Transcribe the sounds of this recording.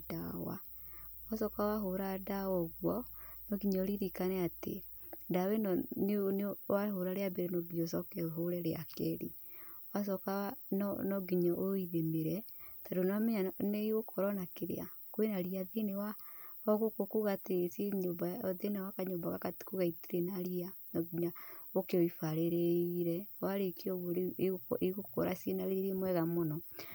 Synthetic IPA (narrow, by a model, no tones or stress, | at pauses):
dawa̰ | wasɔkawaɦoɾadawɔɣwɔnɔɡiɲɔoɾiɾikanɛatḛ | dawɛnɔnnwaɦoɾaɾeabɛɾɛnɔɡiɲɔsɔkɛɦoɾɛɾeakɛɾi | was̬ɔkannɔɡiɲɔʔoiðemeɾɛtadonamɛɲaneiɣokʰoɾɔnakeɾḛa | kwenaɾiaðenewaɔɣokokuɣateseɲobaɔðenewakaɲombaɣakatkuɣaiteɾenaɾianɔɡiɲaokeɔifaɾeɾeiɾɛwaɾekiɔɣo | eɣoko̰ɾa̰sienaɾeeɾemwɛɣamɔnɔ